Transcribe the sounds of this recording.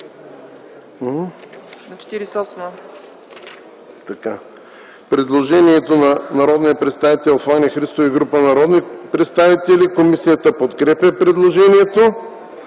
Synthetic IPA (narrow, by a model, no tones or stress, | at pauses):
nɐt͡ʃɛ̥t̪iɾisɔsmo | t̪ɐka | pɾɛd̪lˠoʒɛniɛt̪onɐnɐɾɔd̪nijəpɾɛt̪st̪avit̪ɛlˠxvanʲixɾist̪oviɡɾupənɐɾɔd̪nipɾɛt̪st̪avit̪ɛlʲikomisijət̪əpot̪kɾɛpʲɛpɾɛd̪lˠoʒɛniɛt̪o